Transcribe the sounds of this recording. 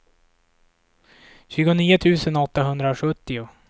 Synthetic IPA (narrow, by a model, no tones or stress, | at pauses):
ɕʉ̟ːɡʊniːʊt̪ʰʉ̟ːsənɔt̪ːaɦɵnd̪ɾaɧɵt̪ːɪʊ